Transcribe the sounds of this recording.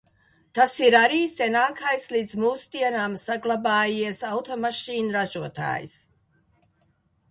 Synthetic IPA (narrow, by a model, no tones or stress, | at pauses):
t̪asiɾaɾiːsʲɛnaːkʰajslid̪zmuːsd̪iɛnaːmsaɡlˠabaːjiɛsawt̪ɔmaʃiːnɾaʒuɔt̪a̰ːjḭs